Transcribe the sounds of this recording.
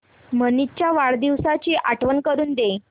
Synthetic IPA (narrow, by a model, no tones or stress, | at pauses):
mənit͡ɕjaʋaɭd̪iʋsat͡ɕiʔaʈʰʋənkəɾuːnd̪e